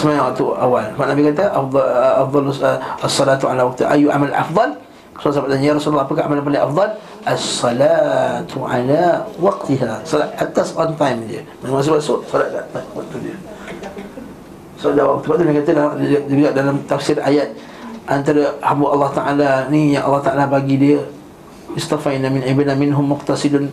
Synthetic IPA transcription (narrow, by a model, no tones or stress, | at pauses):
səmajãŋwaʔ̚t̪uawalmaʔ̪̚nabikat̪̬əʔfafd̪ˤɑlasːɑlat̪uʕalawɑk̚t̪iha̰ʔajuʔa̰malʔɑ̰fd̪ˤɑl | kə̥suansabat̪̚anjaɾɑsullːɑhapəkahamalapanaʔafd̪ˤɑl | ʔɑsːɑlat̪uʕa̰lawɑq̚t̪iɦasɑlat̪̚ʔat̪asɔnt̪ajmdiə̰manmãs̬ubaʔ̪soʔsɔlat̪̚ɡa̰atbaʔt̪ːudiə | sɔaʔ̪daʔwak̚t̪ubaʔ̪t̪ːunakat̪əlahd͡ʒuɡaʔdalamt̪afsɪɾa̰jat̪̚ | ʔant̪aɾahambʊʔɑlːɑht̪aʔalanijaŋʔɑlːɑht̪aʔalabaɡidiə | ɪst̪afanamɪnʕibanamɪnɦʊmːʊqt̪asidʊn